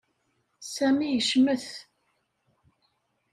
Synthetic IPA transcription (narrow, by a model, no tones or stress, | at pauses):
sæmijəʃməθ